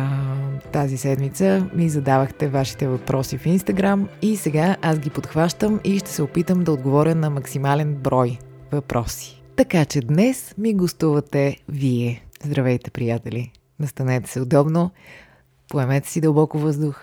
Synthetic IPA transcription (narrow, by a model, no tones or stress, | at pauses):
t̪azisɛd̪mit̪səmizɐd̪avəxt̪ɛvaʃi̥t̪ɛvɐpɾʔɔsifinst̪ɐɡɾamisɛɡaʔasɡʲipot̪xvaʃt̪əmiʃt̪ɛ̥sɛopit̪əmd̪ɐod̪ɡovɔɾʲjənɐmɐksimalɛnbɾɔj | vɐpɾʔɔsi̥t̪ɐkat͡ʃɛd̪nɛsmiɡost̪uvɐt̪ɛviɛzd̪ɾɐvɛjt̪ɛ̥pɾijat̪ɛli | nɐst̪ɐnɛt̪ɛ̥sɛod̪ɔbno | poɛmɛt̪ɛ̥sid̪əlˠbɔkʊvɤzd̪ʊx